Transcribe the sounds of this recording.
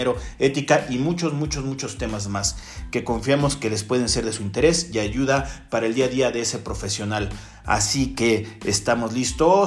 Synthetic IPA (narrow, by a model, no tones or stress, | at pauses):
eɾo̞e̞t̪ikaʔimut͡ʃo̞zmut͡ʃozmut͡ʃo̞st̪e̞mazmas | ke̞ko̞ɱfjamo̞ske̞le̞spwe̞ð̞e̞nse̞ɾðe̞suint̪e̞ɾe̞siaʝuðapaɾaeld̪iaðiaðe̞ese̞pɾo̞fe̞sjo̞nal | a̰sikeːst̪amo̞zlist̪o